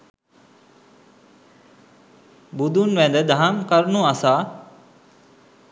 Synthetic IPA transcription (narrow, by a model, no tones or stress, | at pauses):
bud̪ʱuːnʋẽːnd̪əd̪ʱaːmkəɾnũːəsaː